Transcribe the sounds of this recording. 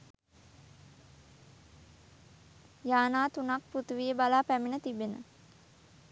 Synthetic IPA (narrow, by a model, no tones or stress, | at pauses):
jaːnaːt̪unak̚put̪uʋijəbalaːpæminət̪ibenə̰